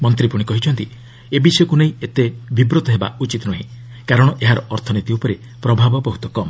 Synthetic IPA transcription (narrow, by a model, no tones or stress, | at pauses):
mɔnt̪̬ɾipuɽ̃ikɔɦit͡ʃʰɔnt̪i | ebisɔjɔkuneĩet̪ebʱibɾot̪ɔɦeba̰ut͡ʃit̪ɔnɔɦḭ̃ | kaɾɔɽ̃ɔʔeɦaɾɔʔɔɾt̪ʰɔnit̪iupɔɾe | pɾɔbʱabɔbɔɦut̪ɔkɔmɔ